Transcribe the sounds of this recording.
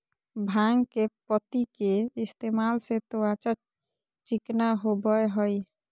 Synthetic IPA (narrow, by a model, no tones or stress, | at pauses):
bʱaŋɡkepət̪ikeist̪emalset̪oat͡ʃa | t͡ʃiknaɦobəeɦəj